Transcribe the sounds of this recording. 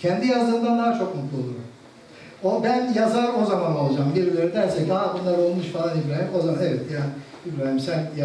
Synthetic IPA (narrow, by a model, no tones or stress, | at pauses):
cʰɛnd̪ijazɯnd̪and̪aːt͡ʃʰo̞k̚mut̪lˠulˠuɾum | obænjazaɾo̞zamano̞lˠad͡ʒaːmbiɾilʲeɾid̪æɾsɛcd̪aabunlˠaɾo̞lˠmuʃfalˠanibɾalimo̞zamanevɛt̪jaː | ibɾænimsænja